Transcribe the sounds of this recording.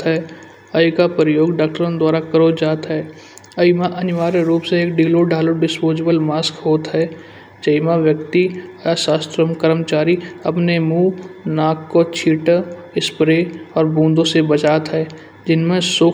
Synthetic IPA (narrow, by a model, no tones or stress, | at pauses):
ɦɛː | əjkapɾəjoːɡɖaːk̚ʈəɾõnd̪waːɾakəɾod͡ʒaːt̪ɦɛː | əɪmaʔɐnɪʋaːɾeɾuːpseeːkɖiːloɖʱaːloɖɪspoːd͡ʒebəlmaːskɦoːt̪ɦɛ | d͡ʒəɪmaʋjəkt̪iasaːst̪ɾəmkəɾəmt͡ʃaːɾiɐpnemuːnaːkːot͡ʃʰiːʈə | ɪspɾeɔːɾbũːnd̪õsebət͡ʃaːt̪ɦɛː | d͡ʒɪnmẽsoː